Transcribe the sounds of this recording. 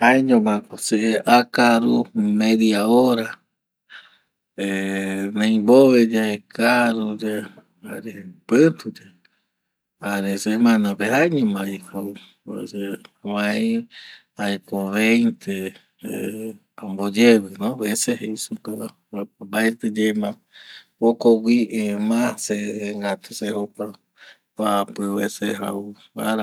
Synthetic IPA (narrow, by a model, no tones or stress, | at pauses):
ajɲõmãkoseʔeʔakaɾumẽðiaoɾa | enãj̃boβed͡ʒaekaɾud͡ʒe | aɾepɨt̪ud͡ʒe | aɾesemãnãpehaɲõmãiko | seβãĩ | aikoβejnt̪ʰe | ambod͡ʒeβɨnõβeseheisukaa | pabaet̪ɨd͡ʒemã | okowiʔmãseŋɡat̪usehopa | apɨβeseɦa̰u | aɾa